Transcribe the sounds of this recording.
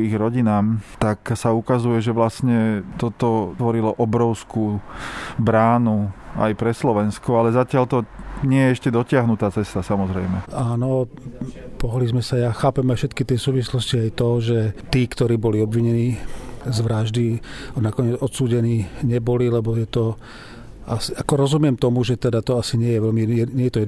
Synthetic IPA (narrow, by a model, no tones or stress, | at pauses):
iɣɾɔɟinaːmt̪aksaukazujɛʒɛʋlasɲɛt̪ɔt̪ɔʋɔɾilɔʔɔbɾɔʊskuː | bɾaːnua̰jpɾɛslɔʋɛnskɔalɛzacɪalt̪ɔɲɪɛjɛɛʃcɛd̪ɔcɪaɦnut̪aːt͡sɛst̪asamɔzɾɛjmɛaːnɔ | pɔɦlizmɛsajaːxaːpɛmajʃɛt̪kit̪ɪɛsuːʋislɔsciajt̪ɔʒɛt̪iːkt̪ɔɾiːbɔliɔbʋiɲɛniːzʋɾaʒd̪inakɔɲɪɛd͡zɔt̪suːɟɛniːɲɛbɔlilɛbɔjɛt̪ɔ | ʔasiakɔɾɔzumɪɛmt̪ɔmuʒɛt̪ɛd̪at̪ɔasiɲɪɛjɛʋɛlmiɛɲɛjɛt̪ɔjɛ